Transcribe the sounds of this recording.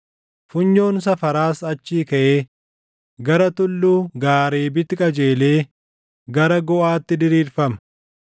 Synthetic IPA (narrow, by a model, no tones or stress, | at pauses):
fʊɲːo̞ːns̬ɐfɐɾaːsɐt͡ʃːiːkɐʔeː | ɡɐɾɐt̪ʊlːuːɡaːɾeːbɪt̪ːɪkʼɐd͡ʒe̞ːleː | ɡɐɾɐɡɔʔaːt̪ːɪd̪ɪɾiːɾfɐmɐ̥